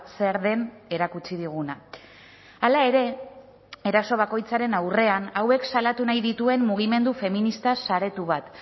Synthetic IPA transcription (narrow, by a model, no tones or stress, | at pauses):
seɾðe̞ne̞ɾakut͡ʃiðiɣ̞una | alae̞ɾe̞ | eɾaso̞β̞ako̞jt͡saɾe̞nawre̞anawe̞ksalat̪unajðit̪ue̞mmuɣ̞ime̞nd̪ufe̞minist̪asaɾe̞t̪uβat̪